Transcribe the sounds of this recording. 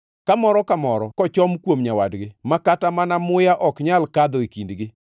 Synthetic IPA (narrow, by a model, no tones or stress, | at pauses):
kamɔɾɔkamɔɾɔkɔt͡ʃɔmkwomɲawadɡɪmakatamanamʊjaʔɔkɲalkad̪ɔikindɡɪ